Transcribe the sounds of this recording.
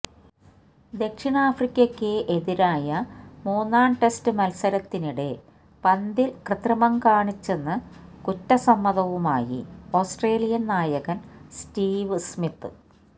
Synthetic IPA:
d̪e̞kʂiɳaːfrikʲːɐkʲːeʔeðiɾaːjɐmuːnːaːɳʈe̞stɨmɐlsɐɾɐt̪ːiniɽe̞ | pɐnd̪ilkrɨt̪rɐmɐmkaːɳit͡ɕːe̞nːɨkutːɐsɐmːɐðɐʋumaːjḭo̞ːsʈre̞ːlijɐnnaːjɐɣɐnstiːʋɨsmit̪ːɨ

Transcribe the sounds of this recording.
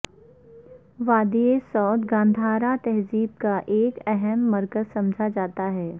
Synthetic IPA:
ʋaːd̪iesɔːd̪ɡãːnd̪ʱaːɾat̪ɛɦziːb̚kaʔeːkɛɦɛmːɐɾkəzsɐ̃md͡ʒʱad͡ʒaːt̪aɦɛː

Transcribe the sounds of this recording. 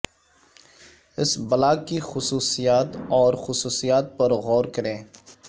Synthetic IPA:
ɪsbɐlaːɡkixʊsuːsijaːt̪ɔːɾxʊsuːsijaːt̪̚pɐɾɣɔːɾkɐɾẽː

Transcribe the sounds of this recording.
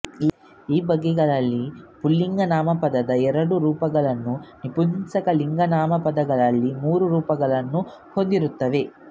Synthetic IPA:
iːbɐɡːɛɡɐɭɐlːipulːiŋɡɐnaːmɐpɐd̪ɐd̪ɐɛɾɐɽuɾuːpɐɡɐɭɐnːunipunsɐkɐliŋɡɐnaːmɐpɐd̪ɐɡɐɭɐlːimuːɾuɾuːpɐɡɐɭɐnːu | hond̪iɾut̪ːɐʋe̞

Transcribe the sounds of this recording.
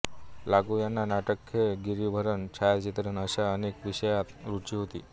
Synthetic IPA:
laɡujanːanaʈəkʰːeɡiɾibʱəɾənt͡ɕʰajt͡ɕit̪ɾənəɕaənekʋiɕəjat̪ɾut͡ɕiːɦot̪ḭː

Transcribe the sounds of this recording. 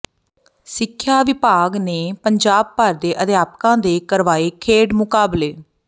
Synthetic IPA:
sɪkʰːjaːʋɪpaːɡneːpəɲd͡ʒaːb̚pəɾd̪eːʔəd̪jaːp̚kãːd̪eːkəɾʋaːeːkʰeːɖmʊkaːbleː

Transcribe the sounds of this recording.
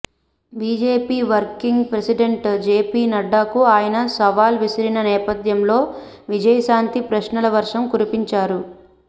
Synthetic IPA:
biːd͡ʒe̞ːpiːʋɐɾkiŋɡpɾɐsiɖeɳʈd͡ʒeːpiːnɐɖːaːkuaːjɐnɐsɐʋaːlʋisɐɾinɐnɛːpɐd̪jɐmlo̞ː | ʋid͡ʒɐjɐʃaːnt̪ipɾɐʃnɐlɐʋɐɾʂɐmkuɾipiɲt͡ʃaːɾu

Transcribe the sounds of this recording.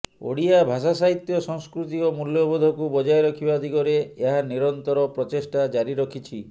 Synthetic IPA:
o̰ɽiabʱasasaɦit̪jɔsɔŋskɾut̪̬iomuljɔbɔd̪ʱɔkubɔd͡ʒajɾɔkʰibad̪ʱikɔɾeeɦaniɾɔnt̪ɔɾɔpɾɔt͡ʃesʈad͡ʒaɾiɾɔkʰit͡ʃʰi

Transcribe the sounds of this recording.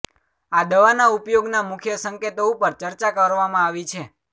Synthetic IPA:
ad̪əʋanaupjoɡnamʊkʰjəsəŋket̪oũpəɾt͡ʃəɾt͡ʃakəɾʋamãaʋit͡ʃʰe

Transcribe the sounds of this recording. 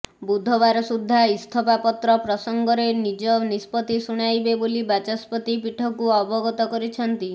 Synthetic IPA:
bud̪ʱɔbaɾɔsud̪ʱːaist̪ʰɔpapɔt̪ɾɔpɾɔsɔŋɡɔɾenid͡ʒɔnispɔt̪isuɽ̃ajbebolibat͡ʃaspɔt̪ipiʈʰɔkuɔbɔɡɔt̪ɔkɔɾit͡ʃʰɔnt̪i

